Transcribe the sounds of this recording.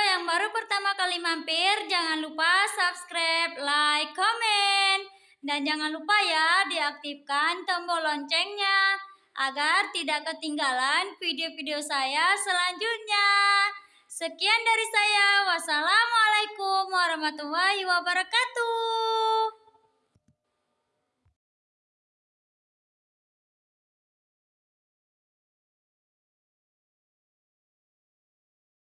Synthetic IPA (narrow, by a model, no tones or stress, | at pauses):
jaŋbaɾupərt̪amakalimampɪrd͡ʒaŋanlupasapskɾap̚lajkːɔmɛn | dand͡ʒaŋanlupajadiak̚t̪ifkant̪əmbɔlɔɲt͡ʃɛŋɲa | ʔaɡart̪idaʔkːət̪iŋɡalanfideofideosajasəlaɲd͡ʒut̪̚ɲa | səkiandaɾisajawasalamalaikumwaɾɔhmat̪ulaɦiwabəɾakat̪u